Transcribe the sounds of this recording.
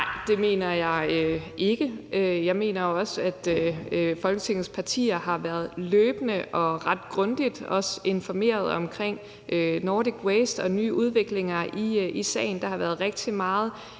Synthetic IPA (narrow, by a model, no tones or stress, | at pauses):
nɑɪ̰d̥e̝me̝̰ːnɐjɑ̈ɪøʔe̝ɡ̥əøjɑ̈ɪme̝̰ːnɐɒ̽sæd̥ | fɒ̽lɡ̥ət͡sʰe̝ŋ̰̩spʰɑ̈t͡sʰḭːɐɦɑ̈ʋæːɐð̞̩ˠløːb̥ənəʔɒ̽ʁɑ̈d̥ɡ̥ʁɔ̽nd̥id̥ɒ̽se̝nfɒ̽me̝̰ːɐð̞̩ˠɒ̽mkʰʁeŋ̰ | ønoːdiɡ̥wesd̥ɒ̽ny̰ːʔuð̞ˠʋe̝ɡ̥le̝ŋɐiisɛ̰ɪn̩d̥ɑ̈hɑ̈ʋæːɐð̞̩ˠʁeɡ̥̚d̥ʰimɑ̈ːð̞̩ˠ